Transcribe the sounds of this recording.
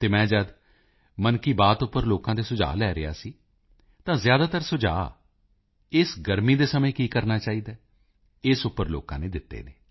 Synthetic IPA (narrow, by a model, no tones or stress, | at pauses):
t̪eːmɛ̃ːd͡ʒəd̪ | mənkiːbaːt̪ʊpːəɾloːkãːd̪eːsʊd͡ʒa̰ːlɛːɾɪja̰ːsiː | t̪ãːzjaːd̪aːt̪əɾsʊd͡ʒa̰ː | ɪsɡəɾmiːd̪eːsəmẽːkiːkəɾnaːt͡ʃaːiːd̪aː | ɪsʊpːəɾlo̰ːkãːneːd̪ɪt̪ːḛːneː